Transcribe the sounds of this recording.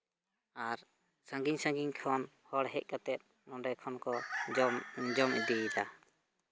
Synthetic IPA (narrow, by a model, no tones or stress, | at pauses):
aɾ | sãŋɡiɲsãŋɡiɲkʰɔnhɔɽɦɛc̚ˀkat̪ɛp̪̚ | nɔɳɖɛkʰɔnkɔ | d͡ʒɔmid̪ijd̪a